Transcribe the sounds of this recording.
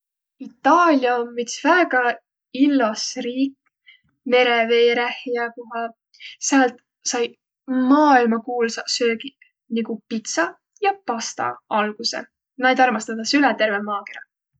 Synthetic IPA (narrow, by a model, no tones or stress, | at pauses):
it̪ˑːɑːlʲjɑoːit̪svæːɡ̥ɑ | ilːɑsriːkː | me̞ɾeve̞ːɾæhjɑkoɦɑ | sælt̪ | sɑj | mɑːilmɑkuːlsɑsø̞ːɡi | niɡ̥upit̪sɑ | jɑpɑst̪ɑ̰ɑlɡ̥usḛ | nɑjd̪ɑrmɑst̪ɑd̪̥ɑsylɛt̪e̞rvemɑːkeɾɑ